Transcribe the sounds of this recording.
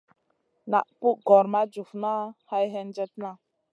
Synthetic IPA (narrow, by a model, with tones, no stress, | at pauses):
na̰˨ʔpu˦ʔɡɔ˨ɾma˦d͡ʒu˨fna˦ha˦jɦɛ˦nd͡ʒɛ˦t̚na˦